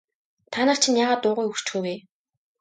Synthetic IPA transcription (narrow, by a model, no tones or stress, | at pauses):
t̪ʰanəːχt͡ɕʰĭnjaːʁaːt̪ːʊːʁʊjɵkt͡ɕxuːweː